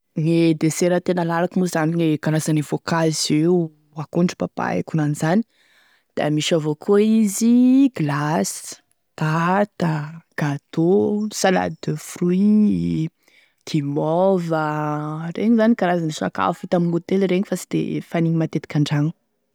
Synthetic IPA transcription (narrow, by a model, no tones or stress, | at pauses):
ŋed̪eseɾət̪enəlaɾakimuzaniŋekaɾazanivokaze | akuɳɖ͡ʐupapa̰ḛkunaniz̥ani̥ | d̪̥a̰miʃavokʰoiziɡlas | t̪at̪aɡ̥at̪osala̰d̪əfrui | d̪̥imɔvəreɲizanikaɾazanisa̰ka̰fut̪amimut̪elɾeɲifasi̥d̪̥ḛfaniɲimat̪et̪i̥kʲaɳɖ͡ʐaŋu̥